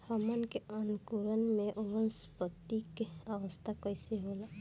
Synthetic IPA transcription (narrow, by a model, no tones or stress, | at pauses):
həmənkeənkuɾənmẽʔʊɾənspət̪ikeəʋəst̪ʰakəjseɦola